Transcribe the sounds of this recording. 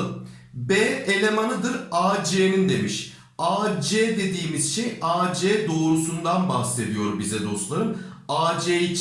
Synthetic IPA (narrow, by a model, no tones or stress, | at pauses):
bɛːelʲe̞manɯd̪ɯɾaːd͡ʒeːnind̪e̞miʃ | aːd͡ʒeːd̪e̞d̪iːmiz̥ʃejaːd͡ʒɛːd̪o̞ːɾusund̪anbahse̞d̪ijo̞ɾubizɛd̪o̞st̪lˠaɾɯmaːd͡ʒeːit͡ʃ